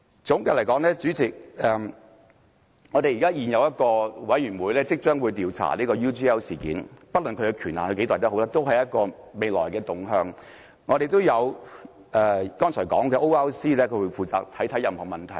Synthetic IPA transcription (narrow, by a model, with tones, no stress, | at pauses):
t͡sʊ˨˥ŋka˨lɐ˨˩jkɔː˨˥ŋlɛː˥t͡ʃyː˨˥t͡sɪ˨k̚ɛ˨m | ŋɔː˨˧te˨jiː˨kaː˥jiː˨˩njɐ˨˧wjɐ˥t̚kɔː˧wɐ˨˥jyː˨˩nwuː˨˧jlɛː˥t͡sɪ˥k̚t͡ʃœː˥ŋwuː˨˧jt̪iː˨˧wt͡sʰa̰ː˨˩liː˥kɔː˧juː˥tiː˥ɛː˥wsiː˨˩kḭː˨˥npɐ˥t̚lʊ˨nkʰɵ˧kɛː˧kʰyː˨˩naː˨˩nʰɵ˧ke˨˥t̪aː˨jt̪ɐ˥ho˨˥wlaː˥t̪o˥wɦɐ˨jɐ˥t̚kɔː˧ | me˨jlɔ̰ː˨˩jkɛː˧t̪ʊ˨ŋɦœː˨˧ŋ | ŋɔː˨˧ɾe˨jt̪o˥wjɐ˨˧w | ʔɛː˨kɔː˥ŋt͡sʰɔ˨˩jkɔ̰ː˨˥ŋkɛː˧ʔo˥wɛː˥wsiː˥lɛː˥kʰɵ˨˧˥wu˨˧jfuː˨t͡sa̰ː˧k̚t̪ʰɐ˨˥jt̪ʰɐ˨˥jɐ˨mhɔː˨˩mɐ˨nt̪ʰɐ˨˩j